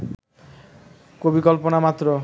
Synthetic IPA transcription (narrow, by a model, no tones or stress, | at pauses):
kobikɔlponamat̪ːɾo